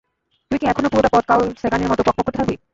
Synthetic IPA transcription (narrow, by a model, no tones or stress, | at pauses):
t̪uikiɛkʰonopuɾoʈapɔd̪̚kalseɡaniɾmɔt̪oupak̚pɔkʰːot̪ebʰabi